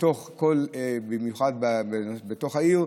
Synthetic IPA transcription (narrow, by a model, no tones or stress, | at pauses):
toχkolebimjuχad̚babebeto̞χhaiʁ